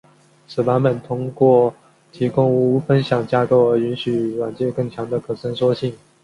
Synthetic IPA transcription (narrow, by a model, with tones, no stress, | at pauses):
sɹ̩˨˩wa˧˥nmə˨˩nt̪ʰʊ˥ŋkwɔ˥˩ | t̪ʰi˧˥kʊ˥ŋu˧˥˧fə˥nɕjɑ˨˩ŋt͡ɕja˥ko˥˩ʊə˧˥y˧˥nɕy˨˩wa˨˩nt͡ɕjɛ˥˧kɤ˥˩ŋt͡ɕʰjɑ˧˥ŋd̪ə˧kʰɤ˨˩ʂə˥ŋʂwɔ˥ɕi˥˩ŋ